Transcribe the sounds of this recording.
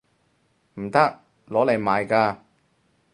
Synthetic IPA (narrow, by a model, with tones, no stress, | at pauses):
m̩˨˩t̪ɐ˥k̚ | lɔː˨˥le˨˩jmaː˨jkaː˧